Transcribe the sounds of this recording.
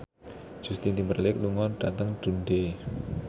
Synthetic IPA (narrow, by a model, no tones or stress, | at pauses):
d͡ʒ̥ust̪int̪imbərlɪkluŋɔnɖ̥at̪əŋd̪̥ṳnɖe